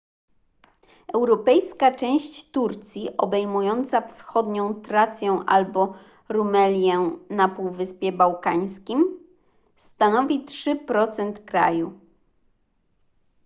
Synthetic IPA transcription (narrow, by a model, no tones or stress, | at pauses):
ɛwɾɔpɛjskat͡ʂɛ̃w̃ɕt͡ɕt̪uɾt̪sʲjiʔɔbɛjmujɔnt̪safsxɔd̪ɲɔ̃w̃t̪ɾat̪sʲjɛ̃ʔa̰lbɔ | ɾumɛlʲjɛnapuwvɘspʲjɛbawkaɲskʲim | st̪anɔvʲitʂɘpɾɔt̪sɛnt̪kɾa̰ju